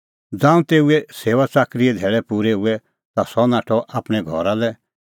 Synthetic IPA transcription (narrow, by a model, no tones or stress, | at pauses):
d͡zãːũt̪eːuɛseːʋat͡saːkɾiɛd̪ʱɛːɭɛpuːɾɛuɛ | t̪asɔnaːʈʰɔʔapɽ̃ɛɡʱɔ̰ɾalɛ